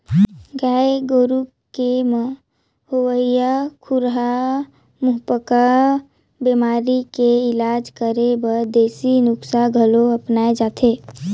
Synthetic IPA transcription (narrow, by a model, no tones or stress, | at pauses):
ɡaːeɡoːɾu | kem | howəijakʰuɾɦa | mʊɦpəka | bemaːɾikeɪlaːd͡ʒkəɾebəɾd̪eːsinʊksaɡʱəloəpnaːed͡ʒaːt̪ʰe